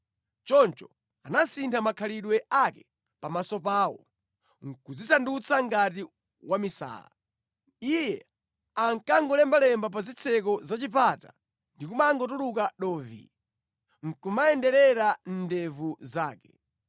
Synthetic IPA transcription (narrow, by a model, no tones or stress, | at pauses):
t͡ʃɔnt͡ʃɔ | anasintʰamakʰaliɗwɛʔakɛ | pamasɔpaːwɔ̰ | ŋ̩kud͡zisandut͡sʰaŋɡati | wamisa̰ːla̰ | ijɛ | aŋkaŋɡɔlɛmbalɛmbapazit͡sʰɛk̬ɔzat͡ʃipata̰ | ndikumaŋɡɔtulukaɗɔːvḭ | ŋ̩kumaɛndɛɾɛɾan̩dɛvuzaːkɛ